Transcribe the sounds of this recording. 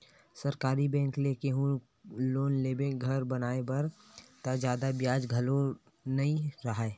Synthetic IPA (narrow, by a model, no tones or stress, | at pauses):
sɐɾkaːɾibɛ̃ːŋkleːkeɦũ | loːnleːbẽɡʱɐɾbɐnaːebɐɾt̪ad͡ʒjaːd̪abjaːd͡ʒɡʱɐlo | nɐɦĩɾɐɦaeː